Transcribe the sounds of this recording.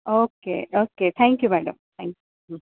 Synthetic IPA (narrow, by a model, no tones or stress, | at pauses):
oːkḛːʔoːket̪ʰɛ̃ːŋkjumæɖə̰̃mt̪ʰɛ̃ŋkju